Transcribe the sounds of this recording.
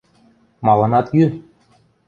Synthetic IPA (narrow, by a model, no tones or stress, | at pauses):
mɑlˠɤ̆nɑt̪jy